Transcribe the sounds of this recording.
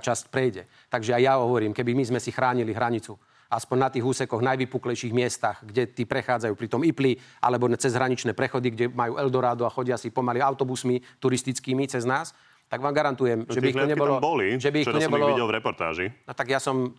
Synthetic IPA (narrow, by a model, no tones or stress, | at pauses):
t͡ʃascpɾɛjɟɛ | t̪aɡʒɛajjaɦɔʋɔɾiːmkɛbimizmɛsixɾaːɲiliɦɾaɲit͡su | aspɔɲnat̪iːɣuːsɛkɔɣnajʋipuːklɛjʃiːɣmɪɛst̪aɣɡɟɛt̪iːpɾɛxaːd͡zajuːpɾit̪ɔmipliʔa̰lɛbɔt͡sɛzɦɾaɲit͡ʃnɛːpɾɛxɔd̪iɡɟɛmajuːʔɛld̪ɔɾaːd̪uaxɔɟɪasipɔmaliaʊt̪ɔbusmit̪uɾist̪it͡skiːmit͡sɛznaːs | t̪aɡʋaːmɡaɾant̪ujɛmʒɛiixɔɲɛbɔlɔbɔliʒɛbiixt̪ɔɲɛbɔlɔiɛlvɾɛpɔɾt̪a̰ːʒinɔt̪aɡjasɔm